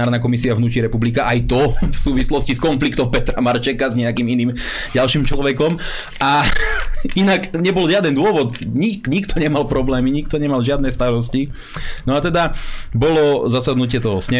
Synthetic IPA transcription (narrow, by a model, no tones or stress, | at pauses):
aːɾnak̬ɔmisiavnuːcɾiɾɛpublikaʔajt̪ɔfsuːʋislɔsciskɔnflikt̪ɔmpɛt̪ɾamaɾt͡ʃɛkazɲɛakiminiːm | ɟalʃiːmt͡ʃlɔʋɛkɔm | ʔa | inakɲɛbɔlʒɪad̪ɛnd̪ʊɔʋɔd̪ɲikɲikt̪ɔɲɛmalpɾɔblɛːmiɲikt̪ɔɲɛmalʒɪad̪nɛst̪aɾɔsci | nɔat̪ɛd̪abɔlɔzasad̪nucɪɛt̪ɔɦɔsɲɛ